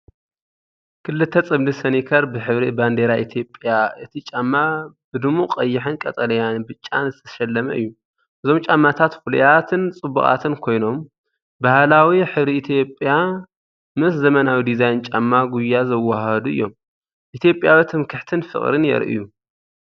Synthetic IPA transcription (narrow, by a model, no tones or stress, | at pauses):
kʰɨlːɨt̪ʰːɐt͡sʼɨblisɐnikʰɐɾbɨħɨβɾiband̪eɾaʔit̪ʰjo̞pʼjaʔɨt̪ʰit͡ʃʼamːab̥ɨd̪ɨmuqʼɐjːɪħɨnkʼɐt̪ʼɐlɐjanbɨt͡ʃʼːanzɨt̪ʰɐ̥ʃɐlːɐmɐ̰ʔɨ̰jːu | ʔɨzo̞mt͡ʃʼamːat̪ʰat̪fulujat̪ʰɨnt͡sʼɨbṵχʼa̰t̪ʰɨnkʰo̞jno̞m | bahlawiħɨβɾiit̪ʰjo̞pʼja | mɨs̬zɐmɐnawid̪izajnt͡ʃʼamːaɡujːazɐwːahɐd̪uɨ̰jːo̞m | ʔit̪ʰijo̞pʼjawit̪ʰɨmkʰɨħt̪ʰɨnfɨ̰χʼɾɨnjɛ̰ɾʔḭju